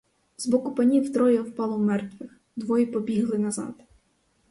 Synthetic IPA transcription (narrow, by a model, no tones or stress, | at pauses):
zbɔkʊpɐnʲiwt̪ɾɔjɛwpɑlˠɔwmɛrt̪ʋɪx | d̪ʋɔjipɔbʲiɦlˠɪnɐzɑ̰d̪